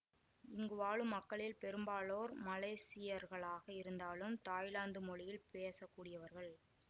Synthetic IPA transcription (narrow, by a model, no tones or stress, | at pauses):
ɪŋɡɯʋaːɭɯmːɐkːɐɭɪlpɛɾɯmbaːɭoːɾmɐleːsɪjɐɾɣɐɭaːɣɐɪɾɯnd̪aːɭɯmt̪aːjlaːnd̪ɯmɔɭɪjɪlpeːsɐkːuːɽɪjɐʋɐɾɣɐɭ